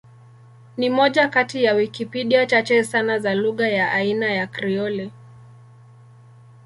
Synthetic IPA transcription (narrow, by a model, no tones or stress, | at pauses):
nimɔʄakatijawikipiɗiat͡ʃat͡ʃɛsanazaluɣajaʔainajakɾiɔlɛ